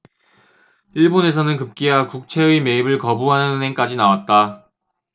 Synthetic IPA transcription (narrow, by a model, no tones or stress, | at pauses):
iɭbone̞s̬ʰʌnɯnkɯp̚k͈iakuk̚t͡ɕʰe̞ɯime̞ibɯɭkʌbuɦanɯnɯne̞ŋk͈ad͡ʑinawat̚t͈a